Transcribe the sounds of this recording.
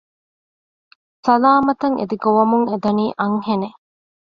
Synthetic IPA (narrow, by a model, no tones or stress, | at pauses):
sɐlaːmɐt̪ɐŋʔḛd̪iɡoʋɐmuŋed̪ɐniːʔɐŋhene